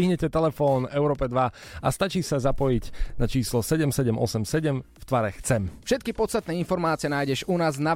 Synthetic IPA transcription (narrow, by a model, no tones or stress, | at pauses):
iɦɲɛcɛt̪ɛlɛfɔːnɛʊɾɔːpɛd̪ʋaa̰st̪at͡ʃiːsazapɔjiɟnat͡ʃiːslɔsɛɟɛmsɛɟɛmʔɔ̰sɛmsɛɟɛmft̪ʋaɾɛxt͡sɛmfʃɛt̪̚kipɔt͡sst̪at̪nɛːinfɔɾmaːt͡sɪɛnaːjɟɛʒunaːzna